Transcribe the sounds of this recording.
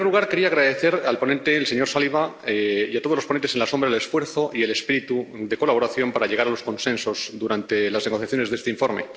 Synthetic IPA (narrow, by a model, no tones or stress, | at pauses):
eɾluɣ̞aɾke̞ɾiaːɣɾaðe̞θe̞ɾalpo̞nẽnt̪e̞lse̞ɲo̞ɾsaliβaiat̪oð̞lopoent̪ese̞nlaso̞mbɾaele̞sfweɾθo̞ʔie̞le̞spiɾit̪uðe̞ko̞laβo̞ɾaθjo̞mpaɾaʎe̞ɣaɾalo̞skõ̞nsẽ̞nso̞zðuɾant̪e̞lazneɣo̞θjaθjone̞zðest̪e̞iɱfo̞ɾme̞̰